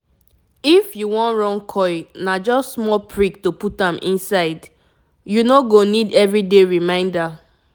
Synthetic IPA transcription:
ifjuwɔ̃ntɹɔ̃nkʰɔɪnad͡ʒɔsmɔpʰɹiktoputãmʔḭ̃nsaɪd | junoɡonidɛvɹideɹimãɪ̃nda

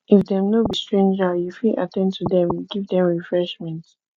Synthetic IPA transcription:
ifdɛ̃mnobistɹẽnd͡ʒajufilʔa̰tɛ̃ntʰudɛ̃mjuɡivdɛ̃mɹifɹɛʃmɛ̃nt

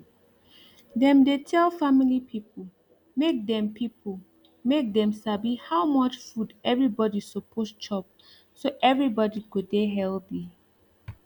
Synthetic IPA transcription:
dɛ̃mdetʰɛlfamilipʰipʰol | mek̚dɛ̃mpʰipʰo | mek̚dɛ̃msabihawmɔt͡ʃfudɛvɹibɔdisopʰost͡ʃɔp̚ | soʔɛvɹibɔdikudeɦɛlbi

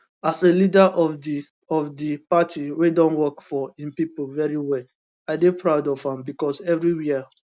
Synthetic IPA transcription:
aselidaʔɔi | ɔfdipatʰiwedɔ̃nwɔkfɔĩmpipolvɛɹiwɛl | aɪdepɹaʊdɔv̥hãmbikɔsɛvɹiwiə

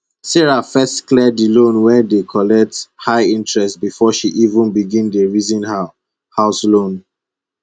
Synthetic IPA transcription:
sɛɹafɛstklɛdilõnwɛ̃ndekʰɔlɛk̚thaɪĩntɹɛstbifɔʃiʔivə̃nbiɡĩndəɹizĩnha | haʊslõn

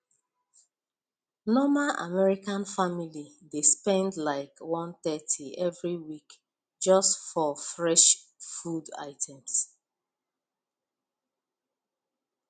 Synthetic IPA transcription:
nɔmaʔa̰mɛɹikãnfamili | despɛ̃ndlaɪkwɔ̃nt̪ɛtʰiɛvɹiwik | d͡ʒɔstfɔfɹɛʃfuda̰ɪtʰɛ̃ms

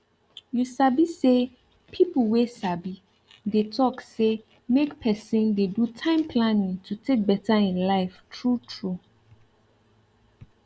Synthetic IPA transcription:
jusabise | pʰipl̩wesabi | detʰɔkse | mekpʰɛsĩndedutʰãɪ̃mpʰlãnĩŋtʰutʰek̚bɛtaĩnlaɪftʰɹutʰɹu

